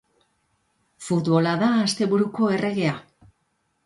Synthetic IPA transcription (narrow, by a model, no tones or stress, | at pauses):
fut̪βo̞laðaːst̪e̞βuɾuko̞e̞re̞ɣe̞a